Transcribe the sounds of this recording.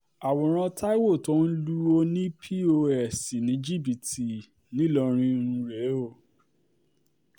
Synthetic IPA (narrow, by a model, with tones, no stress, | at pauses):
a˨wɔ̃˨ɾ̃ã˧tʰa˦i˦wo˦˨tɔ˦n̩˦lu˦o˧nĩ˦pʰi˦o˧ɛ˨si˨nĩ˨˦d͡ʒi˦˨bi˨ti˨ | nĩ˦lɔ˧ɾ̃ĩ˧˦ɾ̃ũ˧ɾe˨˦o˦˨